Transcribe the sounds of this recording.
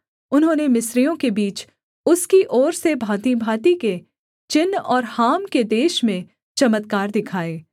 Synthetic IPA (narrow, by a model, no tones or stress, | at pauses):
ʊnɦõːnemɪsɾijõkebiːt͡ʃ | ʊskiʔɔːɾsebʱaːt̪ibʱaːt̪ike | t͡ʃɪnːɔːɾhaːmked̪eːʃmẽ | t͡ʃɐmət̪kaːɾd̪ɪkʰaːeː